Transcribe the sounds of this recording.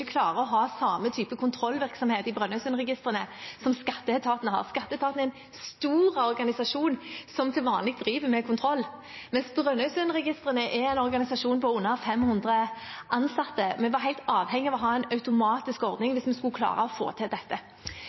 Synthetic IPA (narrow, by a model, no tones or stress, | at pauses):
kʰlɑːɾəɔɦɑːsɑːmət̪ʰyːpəkʰʊnt̪ʰɾɔlːʋɪɾksɔmheːt̪ɪbʁœnhœʉsʉnʁɛɡɪst̪ʁənəsɔmskɑt̪ːəɛt̪ʰɑːt̪nəhɑ̰ːʁskɑt̪ːəɛt̪ʰɑːt̪nɛɪn | st̪uːɾəɔɾɡɑnɪsɑʂuːnsɔmt̪ʰɪlʋɑːnlɪɡ̚d̪ɾiːʋəmɛkʰʊnt̪ʰɾɔlː | mɛnsbʁœnːœsʉnʁɛɡɪst̪ʁənəʔɛɛɪnɔʁɡɑnɪsɑʂuːnpʰɔʉnːəfɛmhʉnd̪ʁəʔɑnsɑt̪ːəmɛʋɑɾɦæɪlt̪ɑːʋhɛŋːɪɑʋɔɦɑːɛɪnɑʉt̪ʊmɑːt̪ɪskɔɾd̪nɪŋʋɪsmɛskʉlkʰlɑ̰ːɾəɔfo̰ːt̪ʰɪld̪ɛt̪ːə